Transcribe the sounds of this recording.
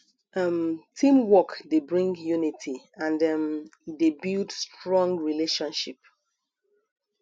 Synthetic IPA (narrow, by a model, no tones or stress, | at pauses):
ʌmtʰĩmwɔkdebɹĩŋɡjunitʰi | ãndʌmdebiltstɹɔ̃ŋɡɹileʃɔ̃nʃip̚